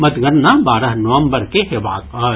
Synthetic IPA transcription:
mɐt̪ɡɐɾnabaːɾəɦnoʋə̃mbəɾkeɦɪʋaːt̪ɐː

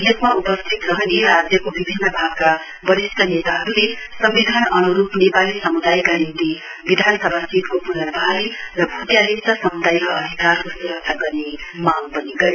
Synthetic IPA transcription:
d̪ekʰmaupʌst̪ʰit̪ɾʌɦʌneɾad͡zjʌkobibʱinːʌbʱaɡ̚ka | bʌɾisʈʌnet̪aɦʌɾule | sʌmbid̪ʱanʌnuɾupnepalisʌmud̪ajkaɾint̪i | bid̪ʱansʌbʱasit̪kopunʌbʱalirʌbʱut̪jalit͡sʌsʌmud̪ajkaʌd̪ʱikarkosiɾʌt̪ʰaɡʌrnemaŋpʌniɡʌɾ

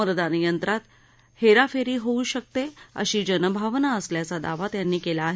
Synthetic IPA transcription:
əɾəd̪ʱanijənt̪ɾat̪ | heɾafeɾiːɦouɕək̚t̪eə̰ɕiːd͡ʑənəbʱaʋnaəsljat͡sad̪a̰ʋat̪janːiːkelaːɦe

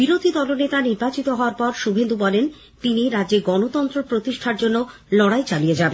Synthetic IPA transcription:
b̥iɾod̪ʱid̪ɔlonet̪aniɾbat͡ɕit̪oɦɔoaɾpɔɾʃubʱend̪ubɔlen | t̪iniɾadd͡ʑeɡɔnot̪ɔnt̪ɾopɾot̪iʃʈʰaɾd͡ʑonːo | lɔɽajt͡ɕalijed͡ʑaben

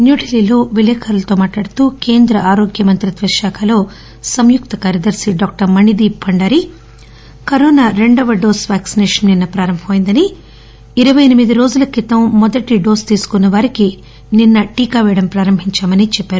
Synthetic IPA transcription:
njuːʈiliːlo̞ːʋilɛːkʰɐɾɐlɐt̪oːmaːʈlaːɽɐt̪uːke̞ːnd̪ɾɐʔaːɾoːɡjɐmɐnt̪ɾɐt̪ʋɐɾʃaːkʰɐlo̞ː | sɐmjukt̪ɐkaːɾjɐd̪ɐɾsiɖɔːk̚ʈɐɾmɐɳid̪iːpʰɐɳɖaːɾi | kɐɾɔːnaːɾe̞ɳɖɐʋɐɖoːsʋaːksinɛːʂɐnninːɐpɾaːɾɐmbʱɐmjind̪ɐni | iɾɐʋɐjɐnimid̪iɾo̞ːd͡ʒulɐkit̪ɐmːɔd̪ɐʈiɖo̞ːst̪iːsu̥kunːɐʋaːɾiki | ninːɐʈiːkaːʋɛːɽɐmpɾaːɾɐmbʱiɲt͡ʃaːmɐnit͡ʃɛpːaːɾu

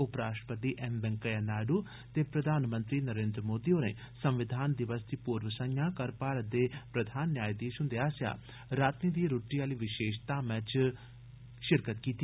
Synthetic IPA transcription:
ʊpɾaːʃpəɾd̪iːʔɛmbɛ̃ŋkəjaːnaːɖuː | t̪eːpɾəd̪ʱaːnmə̃nt̪ɾiːnəɾẽːnd̪ɾəmoːd̪iːoːnḛː | səmʋɪd̪ʱaːnd̪ɪʋəst̪iːpuːɾʋəsə̃jãːkəɾpaːɾət̪̚d̪eːpɾəd̪ʱaːnːjaːjd̪iːʃʊnd̪eaːsja̰ː | ɾaːt̪niːd̪iːɾoːʈːiːaːliːʋɪʃeːʃt̪aːmɛ̃t͡ʃ | ʃɪɾkət̪kiːt̪i

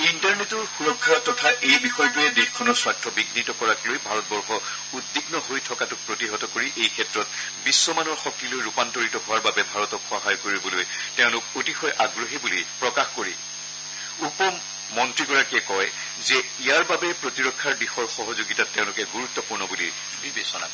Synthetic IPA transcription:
intaɹnetɔɹxuɹɔkʰːatɔtʰaʔejbixɔjtuɛdexkʰɔnɔɹswatʰɹɔbiɡnitɔkɔɹaklojbʱaɹɔt̚bɔɹxɔ | udːiɡnɔɦojtʰɔkatʊk̚pɹotiɦɔtɔkoɹiʔejkʰɛtɹɔt | bisːɔmanɔɹxɔk̚tilojɹupantoɹitɔɦʊwaɹbabɛbʱaɹɔtɔkxɔɦajkoɹibɔloj | tɛʊ̃lʊkotixɔjʔaɡɹoɦibulipɹɔkaxkoɹi | upɔmː | ɔntɹiɡɔɹakiɛkɔj | zɛ | ijaɹbabɛpɹotiɹɔkʰːaɹbixɔɹxɔɦɔzoɡitatːɛʊ̃lʊkɛɡuɹutːɔpuɹnɔbulḭ | bis

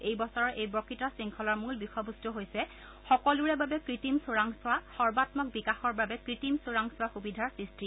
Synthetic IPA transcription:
ejbɔsɔɹɔɹʔejbɹɔkitɔsiŋkʰɔlɔɹmulbixɔbustɔɦojsɛ | xɔkɔluɹɛbabɛkɹitimsoɹaŋsʊwaxɔɹbatmɔk̚bikaxɔɹbabɛkɹitimsoɹaŋsʊwaxubidʱaɹsɹistɹi

